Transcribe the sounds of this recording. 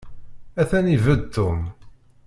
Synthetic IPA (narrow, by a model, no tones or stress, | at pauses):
æθænivəd̪̚t̪ːʊm